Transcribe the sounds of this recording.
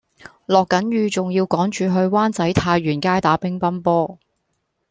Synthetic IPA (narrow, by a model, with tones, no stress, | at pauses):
lɔː˨kːɐ˨˥nɥyː˨˧t͡sʊ˨ŋjiː˧wkɔː˨˥ŋt͡ʃyː˨ɦɵ˧ɥwaː˥nt͡sɐ˨˥jt̪ʰaː˧jɥyː˨˩nkaː˥jt̪aː˨˥pɪ˥ŋpɐ˥npɔː˥